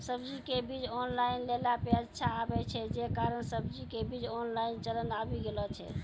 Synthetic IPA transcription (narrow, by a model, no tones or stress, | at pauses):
səbd͡ʒikebid͡ʒɔnlainlelapjəd͡ʒt͡ʃʰaːbɛt͡ʃʰɛd͡ʒekaɾənsəbd͡ʒikebid͡ʒɔnlaint͡ʃələnabiɡelɔt͡ʃʰɛ̰